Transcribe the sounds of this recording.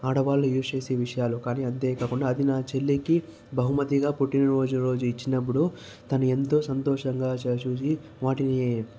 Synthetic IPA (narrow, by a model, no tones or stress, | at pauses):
aːɽɐʋaːlːujuːst͡ʃe̞ːseːʋiʂɐjaːlukaːniːɐnt̪e̞ːkaːkuɳɖaːd̪inaːt͡ʃelːiki | bɐɦumɐt̪iɡaːpuʈinɾo̞ːd͡ʒunɐɾo̞ːd͡ʒuit͡ʃːinɐp̬ːuɽu | t̪ɐnue̞nt̪o̞ːsɐnt̪oːʂɐŋɡaːt͡ʃeːt͡ʃuːsi | ʋaːʈini